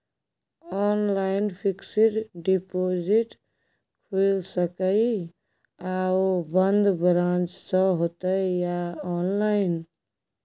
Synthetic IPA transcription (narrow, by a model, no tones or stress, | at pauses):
ɔnlaɪnpʰiksiʈɖipod͡ʒiʈ | kʰulsəkəi | aobənd̪bɾãnt͡ʃsə̃ɦot̪əjaɔnlaɪn